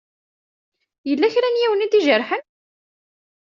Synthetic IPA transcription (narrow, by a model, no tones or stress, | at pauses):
jəlːæçɾænjiwənid̪iʒəɾħən